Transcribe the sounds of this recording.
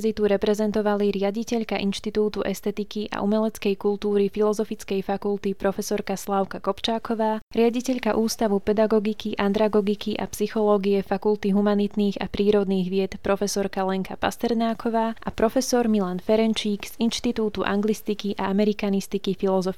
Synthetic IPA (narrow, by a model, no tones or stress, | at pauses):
zit̪uɾɛpɾɛzɛnt̪ɔʋaliɾɪaɟicɛʎkaʔinʃt̪it̪uːt̪uʔɛst̪ɛt̪ikiʔa̰ʔumɛlɛt͡skɛjkult̪uːɾifilɔzɔfit͡skɛjfakult̪ipɾɔfɛsɔɾkaslaʊkakɔpt͡ʃaːkɔʋaːɾɪaɟicɛʎkaʔuːst̪aʋupɛd̪aɡɔɡikiʔand̪ɾaɡɔɡikiʔa̰psixɔlɔːɡiɛfakulˠt̪iɦumanit̪niːɣa̰pɾiːɾɔd̪niːɣʋɪɛt̪pɾɔfɛsɔɾkalɛŋkapa̰st̪ɛɾnaːkʰɔʋaːʔapɾɔfɛsɔɾmilanfɛɾɛnt͡ʃiːɡz̥inʃt̪it̪uːt̪uʔa̰ŋɡlist̪ikiʔaamɛɾikanist̪ikifilɔzɔfi